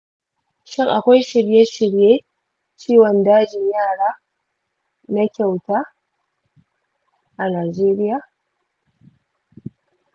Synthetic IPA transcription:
ʃɪ˦ŋʔa˨kʷa˦jʃɪ˨ɽje˦ʃɪ˨ɽjeː˦ | t͡ʃiː˦wɔ˨ndaː˦d͡ʒɪ˨ɲjaː˦˨ɽaː˦ | na˦kʲa˨wtaː˦ | ʔa˨naː˨d͡ʒeː˦ɾɪ˦jaː˨

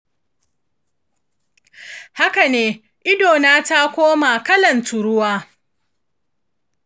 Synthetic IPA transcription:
ha˦ka˨neː˦ | ʔɪ˦doː˨naː˦ta˦kʷoː˦maː˨kɐ˦lɐ˨ntʊ˨ɽʊ˦waː˦

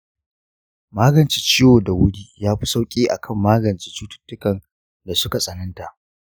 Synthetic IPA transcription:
maː˦ɡɐ˨nt͡ʃi˨t͡ʃiː˦woː˨da˨wʊ˦ɽiː˦jaː˦ɸi˦sa˦wkʲʼiː˦ʔa̰˨kʰɐ˦˨mːaː˦ɡɐ˨nt͡ʃiː˦t͡ʃuː˦tʊ̥˦tːʊ˦kɐ˨n | da˨sʊ˦ka˨sʼɐ˨nɐ˦nta˨ʔ

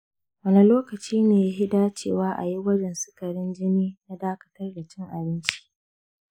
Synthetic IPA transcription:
wɐ˦ni˨loː˦kɐ˨t͡ʃiː˦neː˨ja˦ɦɪ˦daː˦t͡ʃeː˨waː˦ʔa̰˨ji˦wɐ˦d͡ʒɛ˨nsɪ̥˦kɐ˨ɽɪ˦nd͡ʒɪ˦niː˦na˦daː˦kɐ̥˦tɐ˦rda˨t͡ʃɪ˦ŋʔa˨bɪ˦nt͡ʃi̥˦

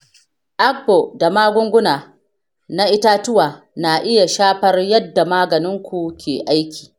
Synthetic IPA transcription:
ʔa˦k̚bo˨da˨maː˦ɡʷʊ˦ŋɡʷʊ˦naː˨ | na˦ʔɪ˦ta˦tʊ˦waː˨ | na˨ʔɪ˦ja˨ʃaː˦ɸɐ˦rjɐ˦dːa˨maː˦ɡɐ˨nɪ˦ŋkʷu˨kʲeː˨ʔa˦jkʲi̥ː˨

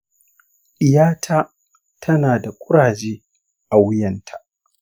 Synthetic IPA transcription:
ɗɪ˨jaː˦tʰaː˦ | tʰɐ˦naː˨da˨kʷʼʊ˦ɽaː˨d͡ʒeː˦ | ʔa˨wʊ˦jɐ˨ntʰa˨ʔ

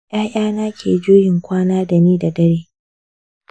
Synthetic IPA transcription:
ʔaː˦ʔaː˦naː˦kʲʰḛː˨d͡ʒoː˦jɪ˨ŋkʷaː˦naː˦da˨niː˦da˨dɐ˦ɽeː˦

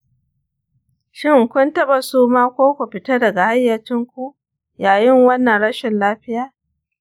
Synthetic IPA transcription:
ʃɪ˦ŋkʷʊ˦ntɐ˦ɓa˨suː˦maː˦kʷoː˦kʷu˨ɸɪ˨tɐ˦dɐ˨ɡa˨ha˦jːɐ˨t͡ʃɪ˦ŋkʷu˦ʔ | jaː˨jɪ˦ŋwɐ˦nːɐ˨nɽɐ˦ʃɪ˨nlaː˦ɸɪ˦jaː˨

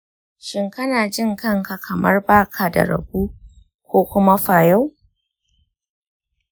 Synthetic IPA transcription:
ʃɪ˦ŋkɐ˦naː˨d͡ʒɪ˦˨ŋkɐ˦ŋka˨kʰɐ˨mɐ˦rbaː˦˨kʰa˨da̰˨ɾɐ̰˨buː˦ | kʷoː˦kʷʊ˦ma˦ɸaː˨ja˦w

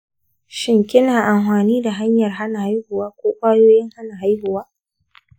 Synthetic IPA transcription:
ʃɪ˦ŋkʲɪ˦naː˨ʔa˨mhaː˨niː˦da˨ɦa˦ɲjɐ˨rɦa˦na˨ha˦jhʊ˨waː˦kʷoː˦kʷʼaː˦joː˦jɪ˦ŋha˦na˨ɦa˦jhʊ˨waː˦

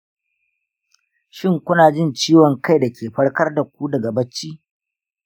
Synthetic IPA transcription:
ʃɪ˦ŋkʷʊ˦naː˨d͡ʒɪ˦nt͡ʃiː˦wɔ˨ŋka˦jda˨kʲeː˨ɸɐ˦ɽkɐ˦rda˨k̚ʷu˦dɐ˨ɡa˨bɐ˦t͡ʃːiː˦

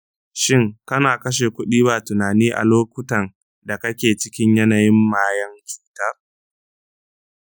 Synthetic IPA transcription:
ʃɪ˦ŋkɐ˦naː˨kɐ˦ʃ̬eː˨kʷʊ˦ɗiː˦baː˨tʊ˨naː˨niː˦ʔa̰˨loː˦kʷʊ˦tɐ˨n | da˨kɐ˦kʲeː˨t͡ʃɪ˦kʲɪ˦ɲjɐ˦na˨jɪ˦mːaː˦jɐ˦ŋkʲu̥ː˨tɐ˦r

